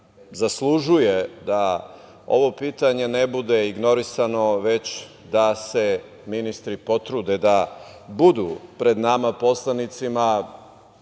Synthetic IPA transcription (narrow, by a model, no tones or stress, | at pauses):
zaslˠuʒujed̪a | o̞̰ʋo̞piːt̪aɲe̞nebud̪e̞iɡno̞ɾisano̞ʋe̞t͡ɕ | d̪ase̞ | minist̪ɾipo̞t̪ɾud̪ed̪a | bud̪ṵpɾe̞d̪namapo̞slˠanit̪sima